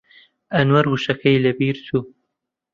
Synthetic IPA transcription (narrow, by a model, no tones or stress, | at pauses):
ʔɐnwɐɾhuːʃɐkʰɐjlɐbiːɾt̪ʰuː